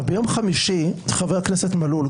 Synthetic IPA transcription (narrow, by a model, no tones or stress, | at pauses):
bejomχamiʃit̪χaveakneset̪malul